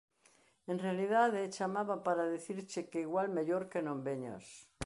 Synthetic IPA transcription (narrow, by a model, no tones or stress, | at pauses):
ẽnrealiðaðet͡ʃamaβapaɾaðeθiɾt͡ʃekeiɣwalmeʎoɾkenõmbeɲa̰s